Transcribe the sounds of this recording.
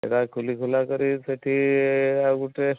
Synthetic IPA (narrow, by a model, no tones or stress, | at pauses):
ḛtakʰulikʰulakəɾisəʈʰiaɡuʈe